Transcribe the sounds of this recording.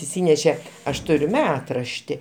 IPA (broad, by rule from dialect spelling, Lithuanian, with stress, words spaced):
ɪʃʲˈsʲiːnʲɛʃʲɛ ˈɐʃ ˈtʊrʲʊ ˈmʲæːtrɐʃʲtʲɪ